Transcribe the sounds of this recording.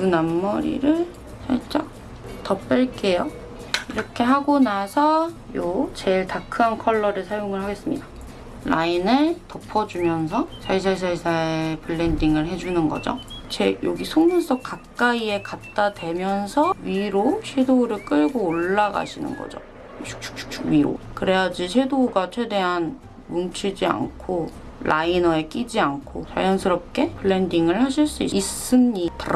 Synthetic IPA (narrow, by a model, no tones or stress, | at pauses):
kɯnamːʌɾḭɾɯɭ | t͡ɕʰaɭt͡ɕ͈ʌ | tʌp͈eɭk͈e̞jo | iɾʌkʰe̞ɦaɡonasʰʌjot͡ɕe̞ɭtakʰɯɦankʰʌɭːʌɾɯɭsʰajoŋɯɭɦaɡe̞s͈ɯmɲida | la̰inɯɭtʌpʰʌd͡ʑumjʌns̬ʰʌt͡ɕʰais̬ʰaɭs̬ʰaɭsʰapɯɭːendiŋɯɭɦe̞d͡ʑunɯnɡʌ̰d͡ʑo̰t͡ɕejo̰ɡisʰoŋmuns͈ʰʌk͈ak̚k͈aie̞kat̚t͈adwe̞mjʌnsʰʌɥiɾoɕʰedoɾɯɭk͈ɯɭɡoːɭːaɡa̰ɕʰinɯ̰nɡʌ̰d͡ʑo̰̥ | k̚t͡ɕʰu̥k̚ʰu̥k̚t͡ɕʰuɥiɾo̰kɯɾe̞jad͡ʑiɕʰe̞doɡat͡ɕʰwe̞de̞ɦan | munt͡ɕʰid͡ʑia̰nkʰo | lainʌe̞k͈id͡ʑiankʰot͡ɕa̰jʌnsʰɯɾʌp̚k͈e̞pʰɯɭːendiŋɯɭhaɕ̬ʰiɭs͈uiiss͈ɯnɲit